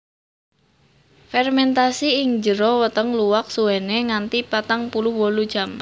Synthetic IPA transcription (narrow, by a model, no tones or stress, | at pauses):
fɛrmɛnt̪asiɪŋd͡ʒəɾɔwət̪əŋluwak̚suweneŋant̪ipat̪aŋpulʊhwɔlud̥ʒ̥am